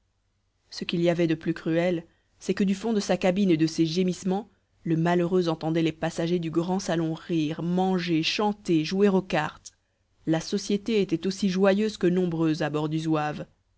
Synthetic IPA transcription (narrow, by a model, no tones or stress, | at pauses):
səkiliavɛd̪əplykχyɛl | sɛkəd̪yfɔ̃d̪əsakabined̪əseʒemismɑ̃ | ləmaløʁøzɑ̃t̪ɑ̃d̪ɛlepasaʒed̪yɡʁɑ̃salɔ̃ʁiːʁmɑ̃ʒeʃɑ̃t̪eʒueʁokaʁt̪ | lasɔsjet̪eet̪ɛt̪osiʒwajøzkənɔ̃bʁøzabɔʁd̪yzwav